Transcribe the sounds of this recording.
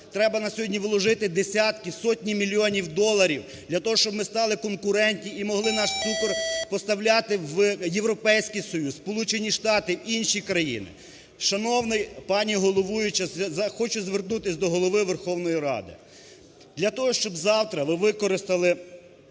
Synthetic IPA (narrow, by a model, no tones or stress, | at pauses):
t̪ɾɛbɐnɐsʲɔɦɔdʲnʲiʋlˠɔʒɪt̪ɪd̪esʲat̪kɪsɔtʲnʲimʲilʲiɔnʲiwd̪ɔlˠːɐɾʲiw | d̪lʲɐt̪ɔɦɔʃt͡ʃɔbmɪst̪ɑlˠɪkɔnkʊɾɛnʲtʲnʲiimɔɦlˠɪnɑʃsukɔrpɔst̪ɐwlʲat̪ɪʋjewɾɔpɛjsʲkɪjsɔjusspɔlˠut͡ʃenʲiʃt̪ɑt̪ɪinʃikɾɐjḭnɪ̰ | ʃɐnɔwnɪjpɑnʲiɦɔlˠɔʋujʊt͡ʃɐzɐxɔt͡ʃʊzʲʋernut̪ɪsʲd̪ɔɦɔlˠɔʋɪʋerxɔwnɔjiɾɑ̰d̪ɪ̰ | d̪lʲɐt̪ɔɦɔʃt͡ʃɔbzɑwt̪ɾɐʋɪʋɪkɔɾɪst̪ɐlˠɪ